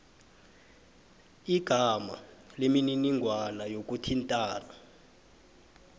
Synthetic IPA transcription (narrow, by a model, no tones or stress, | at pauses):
iɡ̥ʱama̰lemininiŋɡʱwanajok̬ʼutʰintʼaːna